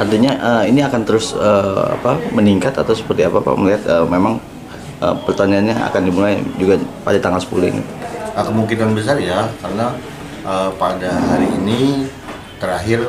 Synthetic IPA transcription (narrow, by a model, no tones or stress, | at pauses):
art̪iɲaʔəiniakant̪əɾʊsəa̰paməniŋkat̪at̪awsə̥pərt̪iapapa̰məliɦat̪̚əmemaŋ | ʔə̰pərt̪aɲaanɲaa̰kandimulajd͡ʒuɡapadat̪aŋalsə̥pulɪ̰ŋḭt̪u̥əkəmuŋkinanbəs̬arjakarəna | ʔəpadaɦaɾiːni | t̪əɾaɦɪr